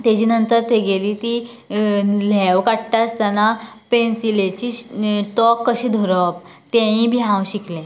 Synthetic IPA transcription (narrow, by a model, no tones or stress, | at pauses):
t̪ed͡ʑiːnənt̪əɾt̪eɡeliːt̪i | lɛʋkaʈʈast̪anapensilet͡ɕiːʈɔkːəɕiːd̪ʱɔɾəp̚ | t̪ẽĩbʱiɦãwɕiklẽ